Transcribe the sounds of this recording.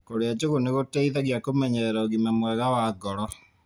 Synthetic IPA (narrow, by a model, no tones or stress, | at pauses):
koɾead͡ʒoɣoneɣotɛiðaɣjakomɛɲɛɛɾaoɣimamwɛɣawaːɡɔɾɔ